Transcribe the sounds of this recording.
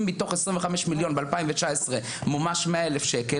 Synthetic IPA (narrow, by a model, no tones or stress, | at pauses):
mːit̪o̞χesʁĩmveχameʃmiljo̞nbealpaimvet͡ʃaesʁe | mumaʃmeaelefʃeke